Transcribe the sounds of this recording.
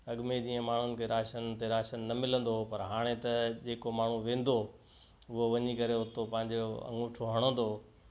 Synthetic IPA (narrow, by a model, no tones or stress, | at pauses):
ɐɠmed͡ʑiːə̃maːɳ̤ʊnɪ̆kʰeɾaːʃənt̪eɾaːʃənːɐmɪlə̃nd̪opɐɾɦaːɽ̃et̪ɐd͡ʑeːkomaːɳ̤ũʋẽːn̆d̪o | ʊɦoʋɐɲikɐɾeɦʊt̪opɐ̃ɦɪ̃ɲd͡ʑoɐ̰̃ŋɡʊːʈʰoɦɐɽ̃ə̃n̆d̪oː